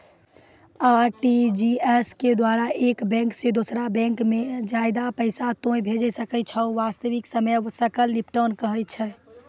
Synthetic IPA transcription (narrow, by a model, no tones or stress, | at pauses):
aɾʈid͡ʒiesked̪waɾaʔekbɛ̃ŋksed̪osɾabɛ̃ŋkmed͡ʒajd̪apəɪsat̪õjbʱed͡ʒɛsəkət͡ʃʰɛʋast̪əʋiksəməjsəkəlnipʈənkəɦɛt͡ʃʰɛ